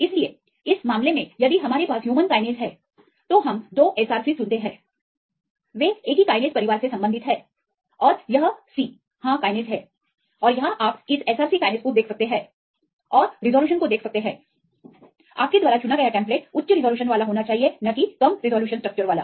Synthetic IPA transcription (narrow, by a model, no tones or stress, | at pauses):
ɪslie | ɪsmaːmlemẽjɐd̪iɦɐmaːɾepaːsɦjuːmənkaːɪneːzɦɛː | t̪oɦɐmd̪oːʔɛːsaːɾsisʊ̃nt̪eɦɛ̃ː | ʋeeːkikaːɪneːzpɐɾɪʋaːɾsesɐ̃mbənd̪ʱɪt̪ɦɛː | ɔːɾjɐɦsiː | hãːkaːɪneːzɦɛ̃ː | ɔːɾjɐɦãʔaːpɪsɛːsaːɾsikaːɪneːskod̪eːkʰsɐk̚t̪eɦɛ̃ː | ɔːɾɾɪzɔːljuːʃ̬ənkod̪eːkʰsɐk̚t̪eɦɛ̃ː | a̰ːp̚ked̪ʋaːɾat͡ʃʊnakɐjaʈɛ̃ːmp̬leːʈʊtːʃəɾɪzɔːljuːʃənʋaːlaɦoːnat͡ʃaːɦienɐkikɐmɾɪzɔːljuːʃənsʈɾəɐk̚t͡ʃəɾʋaːla̰ː